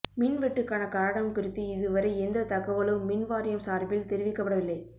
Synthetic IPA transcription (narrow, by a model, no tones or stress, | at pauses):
mɪnʋɛʈːɯkːaːnɐkaɾɐɽɐmkʊɾɯt̪ːɯɪðɯʋɐɾɐɪɛnd̪ɐt̪ɐɣɐʋɐlɯmːɪnʋaːɾɪjɐmsaːɾbɪlt̪ɛɾɪʋɪkːɐpːɐɽɐʋɪlːɐɪ